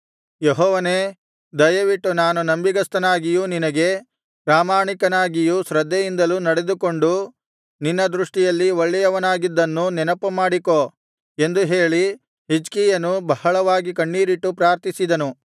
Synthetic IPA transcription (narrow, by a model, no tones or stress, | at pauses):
jeɦɔːʋɐneː | d̪ɐjɐʋiʈːunaːnunɐmbiɡɐst̪ɐnaːɡijuninɐɡe̞ | pɾaːmaːɳikɐnaːɡijuʃɾɐd̪ʱːɛjind̪ɐlunɐɽe̞d̪uko̞ɳɖu | ninːɐd̪ɾuʂʈijɐlːiʋoɭːɛjɐʋɐnaːɡid̪ːɐnːunɛnɐpɐmaːɽiko | e̞nd̪uɦe̞ːɭi | ɦid͡ʒkiːjɐnubɐhɐɭɐʋaːɡikɐɳːiːɾiʈːupɾaːɾt̪isid̪ɐnu